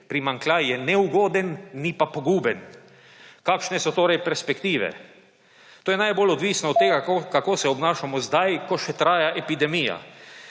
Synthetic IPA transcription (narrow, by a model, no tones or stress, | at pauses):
pɾimaŋklajjɛnɛuɡoːd̪ɛnːipapoɡuːbɛn | kaːkʃnɛsɔt̪oːɾɛjpɛɾspɛkt̪iːʋɛ̰ | t̪oːjɛnajbolɔd̪ʋiːsnɔːt̪t̪ːeːɡaokakoːsɛɔbnaːʃamɔzd̪ajkɔʃɛt̪ɾaːjaʔɛpid̪ɛmiːja̰